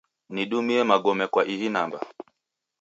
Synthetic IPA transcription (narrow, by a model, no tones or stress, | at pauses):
niɗumiɛmaɡɔmɛkwaʔiɦinamba̰